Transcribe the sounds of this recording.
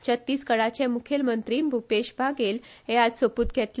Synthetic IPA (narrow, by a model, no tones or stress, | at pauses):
t͡ɕət̪ːiːskəɽat͡ɕẽmukʰelmənt̪ɾiːmbʱupeɕbʱaɡelɦẽad͡zsəpuːt̪̚kɛt̪l